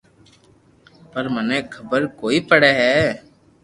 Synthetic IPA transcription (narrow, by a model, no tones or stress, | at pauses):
pəɾmənẽːkʰəbəɾkoːiːpəɽɛːɦɛː